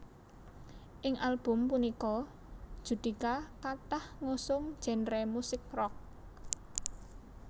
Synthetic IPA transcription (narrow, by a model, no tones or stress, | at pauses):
ʔɪŋʔalb̥ʊ̤mpunikɔ | d̥ʒ̥ṳd̪̥i̤kakat̪ahŋosʊŋ̥ʒ̥ɛ̤nɾɛmusɪk̚rɔk̚